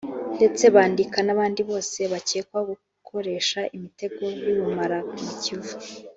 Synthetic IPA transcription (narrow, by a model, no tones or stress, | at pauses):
nde̞t͡se̞βaːndikanaβaːndiβo̞ːse̞βaceːkwaɡu | kʰo̞ɾe̞ːʃaʔimite̞ɡo̞jiβumaɾamucivu